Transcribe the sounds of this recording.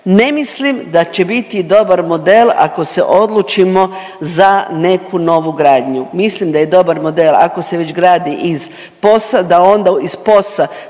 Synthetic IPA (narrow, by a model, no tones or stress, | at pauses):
ne̞mislimd̪at͡ʃe̞bit̪id̪o̞baɾmo̞d̪ela̰ko̞se̞̰ʔo̞d̪lˠut͡ʃimo̞ | zane̞kuno̞ʋuɡɾaːd̪ɲumislimd̪ajed̪o̞baɾmo̞d̪eːlˠa̰ko̞se̞ʋe̞t͡ʃɡɾaːd̪iʔiz | po̞sad̪ao̞nd̪aispo̞sa